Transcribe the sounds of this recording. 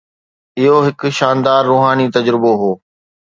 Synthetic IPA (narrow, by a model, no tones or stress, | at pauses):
ɪɦoɦɪkʃaːnd̪aːɾːuːɦaːnit̪ɐd͡ʑɾɪboɦoː